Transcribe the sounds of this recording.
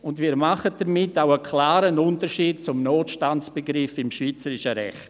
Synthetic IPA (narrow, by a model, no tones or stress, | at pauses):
ʊndviːɾmaχəd̥ɐɾmɪtːaʊəkʰlaːɾənʊntəʃiːd̚t͡sʊmnoːtʃtantt͡sb̥əɡɾɪfɪmʃviːt͡səɾɪʃəɾɛ̰χt